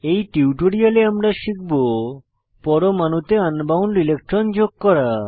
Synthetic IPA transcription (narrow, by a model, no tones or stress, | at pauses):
ejʈiuʈoɽialeamɾaʃik̚bo | pɔɾomanut̪eanbawnilek̚ʈɾɔnd͡ʑoɡ̚kɔɾa